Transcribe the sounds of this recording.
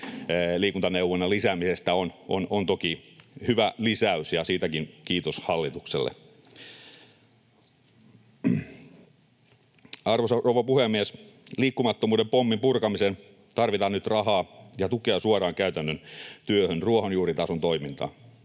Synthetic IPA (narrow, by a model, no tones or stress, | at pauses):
liːkunt̪ɑneuʋonːɑlisæmisest̪æononont̪okihyʋælisæysjɑsiːt̪ækinkiːt̪oshɑlːit̪uksḛlːḛ | ɑrʋosɑrouʋɑpuhemːiesliːkːumɑt̪ːomuːdempomːimpurkɑmisen | t̪ɑrʋit̪ɑːnyt̪rɑhɑːjɑt̪ukeɑsuɑrɑːŋkæyt̪ænːønt̪yøhønruohonjuːɾit̪ɑsont̪oimint̪ɑ̰ː